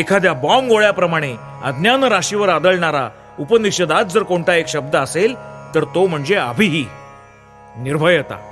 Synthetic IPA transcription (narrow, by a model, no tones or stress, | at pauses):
ekʰad̪jabɔmɡoɭjapɾəmaɽ̃e | ə̰d̪njanəɾaɕiʋəɾad̪əɭɳaɾa | upənikɕəd̪at̪̚d͡zəɾkoɳʈaekɕəb̚d̪əəselt̪əɾt̪om̤əɳd͡zeabʱiɦiː | niɾbʱəjət̪a̰